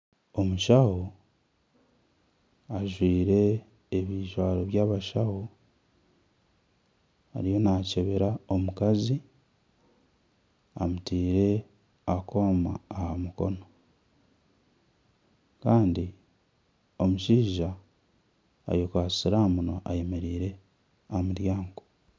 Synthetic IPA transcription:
o̞muʃaho | aʒwiːɾe̞ː | βiːʒwaːloβjaːβaʃahu | a̰ɾijo̞naːceβeɾao̞mukazi | amutiːɾe̞ | akʰo̞ːma̰ːhamuko̞̰no | kaːndi | omuʃiːʒa | jokasiɾaːmunoʔaje̞me̞ɾiːɾe̞ | amuɾjaːŋɡo

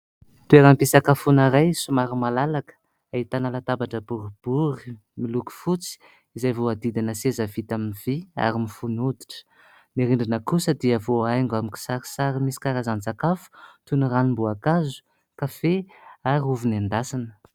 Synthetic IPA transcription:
t̪ueɾampisakafunaɾajsumaɾimalalakə̥ | ait̪anəlat̪abaʈ͡ʂəbuɾib̥uɾi | miluku̥fut͡si̥ | izajvoad̪id̪inəsezəvit̪aminiv̥ia̰ɾimifunud̪i̥ʈ͡ʂə̥ | miɾiɳɖ͡ʐinəkusəd̪iavoajŋɡamiki̥saɾi̥saɾimisi̥kaɾazand͡zakafu̥t̪uniranimbuakazu̥ | kafeaɾiuvinand̪asanə̥

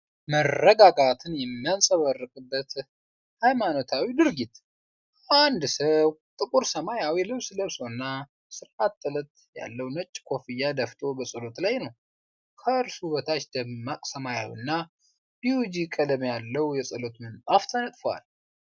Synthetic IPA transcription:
mərːəɡaɡat̪ʰɨnjɛmːijansʼəβərːɨkʼɨbːət̪ | hajmanot̪ʰawid̪ɨɾɡit̪ | and̪səwt̪ʼɨkʼuɾsəmajawilɨβsləβso̞nːa | sɨɾʔat̪ʼːɨlət̪ | ja̰lːəwnət͡ʃʼːkʰo̞fijad̪əft̪ʰʼo̞bəsʼəlo̞t̪lajnəw | kʰəɾsuβət̪ʰat͡ʃd̪̥əmːakʼsəmaja̰wḭnːa | b̥iwud͡ʒikʼələmjalːəwjɛsʼɨlo̞t̪mənt̪ʼaft̪ʰənət̪ʼfowa̰l

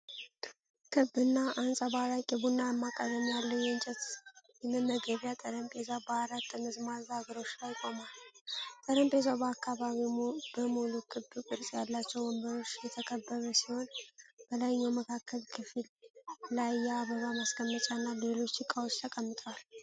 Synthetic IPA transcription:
kʰɨbɨnːaʔansʼabaɾakʼɛbunːaəmːakʼəd̪əmjalːəwjɛɨnt͡ʃʼɛt̪jɛmːɨnːəɡəβjat̪ʼəɾəmpʼezabəaɾat̪ʼːɨnɨzmazaɡəɾo̞t͡ʃːlajkʼomalt̪ʼəɾəmpʼezawbəakːaβaβib̥əmuluk̪ʰʼɨbːukʼɨɾsʼjalːat͡ʃːɛwbɔmbəɾo̞t͡ʃːjɛt̪ʰəkʰəbːəɾəsiho̞nb̥əlajɲːawməkʰakːəlkʰɨfɨllajːɛaβəβamaskəmːət͡ʃʼanːale̞lo̞t͡ʃːɨkʼːawo̞t͡ʃːt̪ʰəkʼəmːɨt̪ʼwal

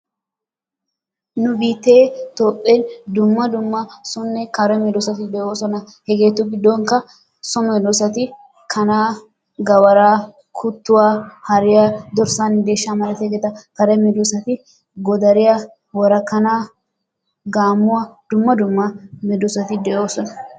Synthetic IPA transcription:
nʊbiːt̪ːeːt̪oːpʼːend̪ʊmːɐd̪ʊmːɐsʊnːɛkɐɾɛmɛd̪ɔsɐt̪ɪd̪ɛʔoːsɔnɐ | hɛɡe̞ːt̪ːʊɡɪd̪ːoŋkɐ | sɔmɛd̪ɔsɐt̪ɪ | kʰɐnaː | ɡɐwɐɾaː | kʰʊt̪ːʊwaːhɐɾɪjad̪ɔɾsand̪e̞ːʃːamɐɾɛt̪ɛɡɛt̪ɐkɐɾɛmɛd̪ʊsɐt̪ɪ | ɡɔd̪ɐɾɪja | wɔɾɐkːɐnaː | ɡaːmːʊwɐd̪̥ʊmːɐd̪ʊmːɐmɛd̪ʊsɐt̪ɪd̪ɛʔo̞ːsɔnɐ

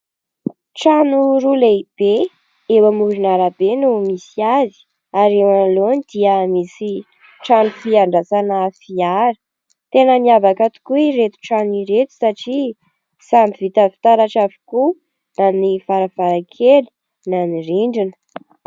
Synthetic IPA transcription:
ʈ͡ʂanuɾuleb̥e | ewamuɾinaɾabenumisiazi̥ | aɾewanlonid̪̥iəmisi | ʈ͡ʂanufiaɳɖ͡ʐasanəfiaɾə̥ | t̪enəniavakat̪u̥kuiɾet̪u̥ʈ͡ʂaniɾet̪u̥saʈ͡ʂi | sambivit̪əfi̥t̪aɾaʈ͡ʂavu̥ku | nanifaɾavaɾakʰeli̥ | naniɾiɳɖ͡ʐinə̥

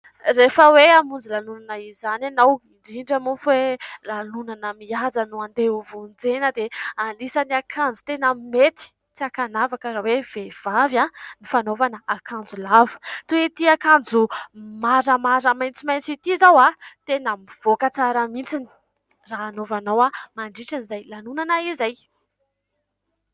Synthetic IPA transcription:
refəweamund͡zilalunanaizananawiɳɖ͡ʐiɳɖ͡ʐamufelalunanamiad͡zanuand̪euvund͡zenəd̪ealisaniakʰand͡zut̪enammet̪i̥ | t͡siakanavakəɾawev̥ev̥avanifanovanəakʰand͡zulavə̥t̪uwet̪iakand͡zumaɾəmaɾəmajnt͡simajnt͡sit̪izawat̪enamiv̥okət͡saɾəmint͡sini̥ | raːnovanawamaɳɖ͡ʐiʈ͡ʂinizajlalunanaizaj

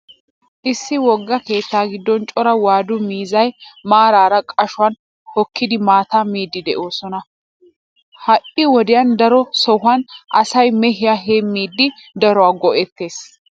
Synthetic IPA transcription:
ʔɪsːɪwɔɡːɐke̞ːt̪ːaːɡɪd̪ːɔnt͡ʃʼɔɾɐwaːd̪ʊmiːzɐjmaːɾaːɾɐkʼɐʃʊwɐn | hɔkːɪd̪ɪmaːt̪amiːd̪ːɪd̪ɛʔo̞ːsɔnɐ | hɐʔɪwɔd̪ɪjɐnd̪ɐɾɔsɔɦɐnʔɐsɐjmɛɦɪjaːɦemːiːd̪ːɪd̪ɐɾɔwaːɡɔʔɛt̪ːeːs

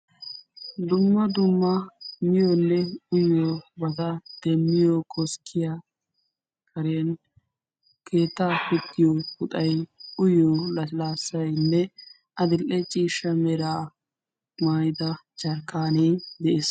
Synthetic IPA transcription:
d̪ʊmːɐd̪ʊmːɐmɪjolːɛʊjobɐt̪ɐd̪̥ɛmːɪjokʰɔskʰːɪja | kʰɐɾɪjɐn | kʰe̞ːt̪ːapɪt̪ːɪjoʊt̪ʼɐjʊjolɐlaːsːɐjnːɛ | ɐd̪ɪlʔɛt͡ʃʼiːʃɐmɛɾaː | maːjɪd̪ɐt͡ʃɐɾkːaːneːd̪ɛʔes

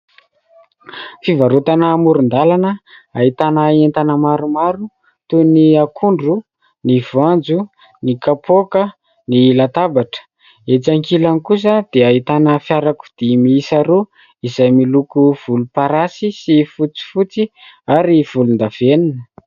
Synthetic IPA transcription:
fivaɾut̪anəmuɾund̪alanəaɦit̪anəent̪anəmaɾumaɾu | t̪uniakʰuɳɖ͡ʐu | nivand͡zu | nikapokə | nilat̪abaʈ͡ʂə̥ | et͡saŋkilanikus̬əd̪̥eaɦit̪anəfjaɾaku̥d̪̥emiisaɾo | izajmilukuv̥ulupaɾasisifut͡si̥fut͡siaɾiv̥ulund̪av̥eninə

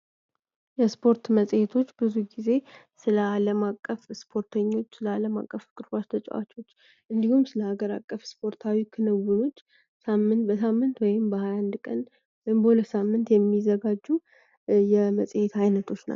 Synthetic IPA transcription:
jɛspʰo̞ɾt̪məsʼjet̪ʰo̞t͡ʃːb̥ɨzuɡize̞ | sɨləaləmakʼːəfspʰo̞ɾt̪ʰəɲːo̞t͡ʃːsɨləaləma̰kʼːəfkʼɨɾbat͡ʃt̪ʰət͡ʃʼɛ̰wa̰t͡ʃʼo̞t͡ʃː | ʔɨnd̪ihumsɨləhaɡəɾa̰kʼːəfspʰo̞ɾt̪ʰawikʰɨnɨwːuno̞t͡ʃː | samːɨnt̪̚bəs̬amːɨnt̪wɔjɪmbəhajand̪kʼən | wɔjɪmbəhuləsamːɨnt̪jɛmːizəɡad͡ʒːu | jɛməsʼjet̪ajnət̪ʰo̞t͡ʃːna̰

